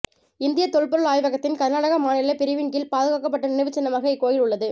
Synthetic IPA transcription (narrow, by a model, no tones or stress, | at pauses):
ɪnd̪ɪjɐt̪ɔɻɯɭpɔɾɯɭaːjʋɐɣɐt̪ːɪnkɐɾnaːɽɐɣɐmaːnɪlɐpɪɾɪʋɪŋɡɪlpaːðɯɣaːkːɐpːɐʈːɐnɪnɛʋɪt͡ʃːɪnːɐmaːɣɐɪkːoːjɪlʊɭːɐðɯ